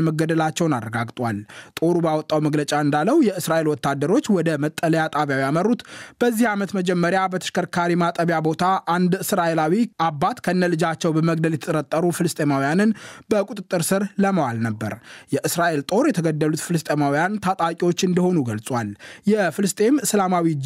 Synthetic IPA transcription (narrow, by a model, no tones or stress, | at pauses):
məɡəd̪əlat͡ʃːɛwnarːəɡaɡt̪ʼwalt̪ʼo̞ɾubawɔt̪ʼːawməɡlət͡ʃʼaɨnd̪alːəwjɛʔɨsɾaʔe̞lwɔt̪ːad̪ːəɾo̞t͡ʃːwɔd̪əmət̪ʼːələjat̪ʼaβjawijamərːut̪b̥əzːihamət̪məd͡ʒɛmːəɾjabət̪ʰə̥ʃkʰəɾkʰaɾimat̪ʼəβjabo̞t̪ʰaʔand̪ɨsɾaʔe̞lawiʔabːat̪kʰənːəlɨd͡ʒat͡ʃːɛwbəməɡd̪əljɛt̪ʰət̪ʼəɾət̪ʼːəɾufɨlɨst̪ʼemawijanɨnbəkʼut̪ʼɨt̪ʼːɨɾsɨɾləməwalnəbːə̰ɾjɛʔɨsɾaʔe̞lt̪ʼo̞ɾjɛt̪ʰəɡəd̪ːəlut̪fɨlɨst̪ʼemawijant̪ʰat̪ʼakʼiwo̞t͡ʃːɨnd̪əho̞nuɡəlsʼwaljɛfɨlɨst̪ʼe̞mɨslamawi